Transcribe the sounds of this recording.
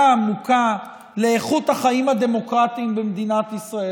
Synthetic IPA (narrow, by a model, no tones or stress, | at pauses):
aːmuka | le̞ːχut̪haχaimhad̪e̞mo̞kʁat̪imbemd̪inat̪isʁae